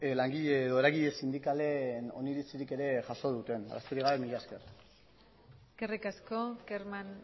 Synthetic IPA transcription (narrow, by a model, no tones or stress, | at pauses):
laŋɡiʎeðo̞eɾaɣiʎe̞sind̪ikale̞no̞̰niɾit͡siɾike̞ɾe̞ʝaso̞ðut̪e̞na̰ra̰soɾiɣaβemiʎeaeske̞r | skerikaskokeɾman